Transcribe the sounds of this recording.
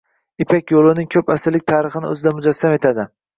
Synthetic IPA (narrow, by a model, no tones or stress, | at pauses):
ɪpʰakʲjolˠʊnɪŋkʲʰɵpasɪɾlɪk̚ʲt̪ʰaːɾɨχɨnɪ̰ɵ̰zɪd̪amʊd͡ʒasːame̞t̪ʰad̪ɪ